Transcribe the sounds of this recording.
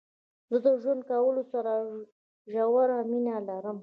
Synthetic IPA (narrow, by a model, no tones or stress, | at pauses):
zəd̪əʒwand̪̚kawəlosaɾa | ʒawaɾaminalaɾəm